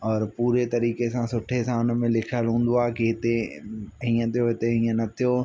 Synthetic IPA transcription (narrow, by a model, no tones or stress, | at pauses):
ɔːɾpuːɾet̪ɐɾiːkesãsʊʈʰesãʊnə̆mẽlɪkʰəlɦũːn̆d̪oaːɦkiɦɪt̪eɦĩːə̃t̪ʰijoɦɪt̪eɦĩːə̃nɐt̪ʰijo